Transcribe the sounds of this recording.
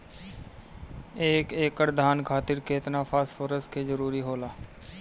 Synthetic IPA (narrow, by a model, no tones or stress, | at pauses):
eːkeːkːəɽd̪ʱaːnkʰaːt̪ɪɾkeːt̪nafʰaːsfoːɾəskezəɾuːɾiɦoːlaː